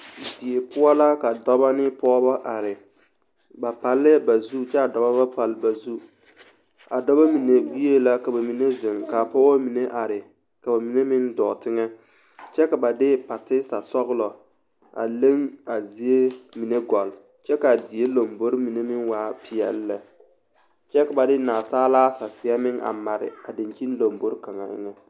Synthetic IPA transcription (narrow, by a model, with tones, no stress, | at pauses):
di˨e˨pʊ˦ɔ˦la˦ka˨dɔ˦ba˦nɪ˦pɔ˦ba˦ʔa˨ɾɪ˨ | ba˨pa˨lːɪ˦ba˨zu˦t͡ʃɛ˦a˨dɔ˨ba˦ba˦pa˨lba˨zu˦ | a˨dɔ˦ba˦mi˨ne˨wi˦e˦la˦ka˨ba˨mi˨ne˦zɪ˨ŋka˨pɔ˦o˦mi˨ne˦ʔa˨ɾɪ˨ | ka˨ba˨mi˨ne˦mɪ˦ndɔ̰˨tɪ˦ŋɛ˦ | t͡ʃɛ˦ka˨ba˨dɪ˦pa˨tɪ˦sa˨sɔ˦ɣʊ˦lɔ˨ | a̰˨le˦ŋa˨zi˦e˦mi˨ne˦ɡɔ˨l | t͡ʃɛ˦ka˨di˨e˦lo˨mbo˦ɾmi˨ne˦mɪ˦nwaː˦pɪ˨jɛ̰˨lːɛ˨ | t͡ʃɛ˦ka˨ba˨dɪ˦naː˨saː˦laː˦sa˨sɪ˨a˦mɪ˦ŋʔa̰˨ma˨ɾɪ̰˨a˨dɪ˨ɲki˦n˦lo˨mbo˦ɾka˨ŋa̰˨ʔɪ̰˦ŋɛ˦